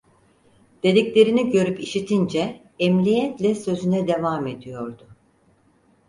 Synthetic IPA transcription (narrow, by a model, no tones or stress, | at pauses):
d̪̥e̞d̪iclʲe̞ɾiniɟø̞ɾypiʃit̪ʰind͡ʒɛː | mlʲijɛt̪lʲɛsø̞zynɛd̪e̞vaːme̞d̪ijo̞ɾd̪ʊ